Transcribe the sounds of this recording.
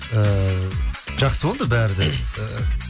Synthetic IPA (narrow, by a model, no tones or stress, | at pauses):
ə | ʒ̥ɑqsəbolˠd̪əbæɾɪd̪e